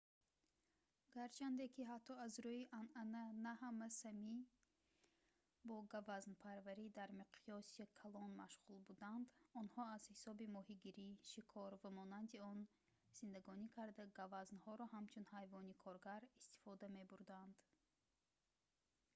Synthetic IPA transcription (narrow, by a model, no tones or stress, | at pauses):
ɡaɾt͡ʃʰand̪e̞kʰiɦat̪ʰːɔazɾuiʔanananaɦamasami | bɔɡavaznpʰaɾvæɾid̪aɾmiqʰiɔsikʰalɔnmaʃʁulbud̪and̪ɔnhɔaz̥hisɔbimɔhiɡiɾiʃikʰɔɾvamɔnand̪iɔn | z̥ind̪aɡɔnikʰaɾd̪aɡavaznhɔɾɔɦamt͡ʃʰunhajvɔnikʰɔɾɡaɾist̪i̥fɔd̪ame̞buɾd̪and̪̥